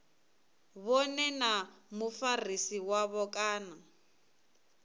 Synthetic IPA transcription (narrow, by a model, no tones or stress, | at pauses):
βɔnɛnamufarisiwaβɔkʼaːna